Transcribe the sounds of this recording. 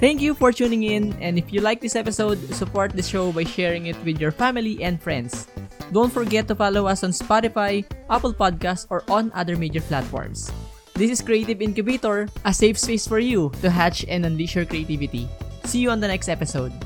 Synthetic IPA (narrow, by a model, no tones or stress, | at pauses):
t̪æ̃ŋkjufɔɹt͡ʃuːnɪ̃ŋɪ̃nɛ̃nd̪ɪfjulajk̚d̪ɪsɛpɪsowd̪̚sʊpɔɹt̪̚d̪ɪsʃowbajʃɛɹɪ̃ŋɪt̪wɪd̪jɔɹfamɪliʔɛ̃nd̪fɹɛ̰̃nd̪sd̪õw̃nt̪fɔɹɡɛt̪ːʊfalowɐsɔ̃nspat̪ɪfajʔapəlpad̪̚kastɔɹʔɔ̃nʔa̰d̪əɹmejd͡ʒɛɹplat̪fɔ̰ɹms | d̪ɪsɪskɹiejt̪ɪvɪ̃nkʊbet̪ɔɹʔɐsejvspesfɔɹjut̪ʊɦat͡ʃɛ̃nɐ̃nliʃɔɹkɹiet̪ivɪt̪ḭsiːjuɔ̃nd̪ɐnɛkst̪ɛpɪsowd̪̚